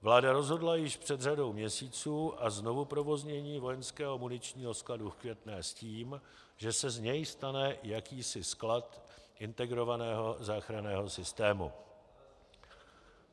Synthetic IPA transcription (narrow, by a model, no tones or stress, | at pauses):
vlaːdaɾo̞zɦo̞dlajɪʃpr̥ɛd̪r̝ado̞wmɲɛsiːt͡suːʔazno̞vupɾo̞vo̞zɲɛɲiːvo̞jɛnskɛːɦo̞munɪt͡ʃɲiːɦo̞skladufkvjɛt̪nɛːsciːm | ʒɛsɛzɲɛjst̪anɛjakiːsɪsklat̪ʔɪnt̪ɛɡɾo̞vanɛːɦo̞zaːxɾanɛːɦo̞sɪst̪ɛːmṵ